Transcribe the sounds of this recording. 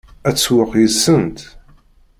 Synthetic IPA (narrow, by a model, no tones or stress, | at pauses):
æt͡sːwəqjəsːənt̪